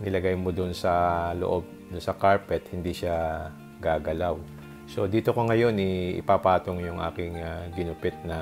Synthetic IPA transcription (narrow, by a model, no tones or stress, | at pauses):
nɪlɐɡajmod̪ʊnsɐlo̰ʔo̞b̚ | d̪ʊnsɐkaɹpɛt̪̚hɪnd̪iʃa | ɡaːɡɐlaw | so̞d̪iːt̪o̞koŋɐjo̞nɪʔɪ̰papaːt̪oŋjʊŋʔa̰ːkɪŋaɡɪnʊpɪt̪̚nɐ